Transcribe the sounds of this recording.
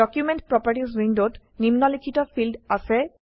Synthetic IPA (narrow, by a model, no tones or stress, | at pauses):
ɔkjumenʈpɹɔpaɹʈis̬ɹindot | nimnɔlikʰitɔfʰildasɛ